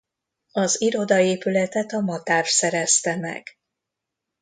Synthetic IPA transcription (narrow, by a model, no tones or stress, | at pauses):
ɒziɾo̞d̪ɒeːpylɛt̪ɛt̪ɒmɒt̪aːrsɛɾɛst̪ɛmɛ̰ɡ̥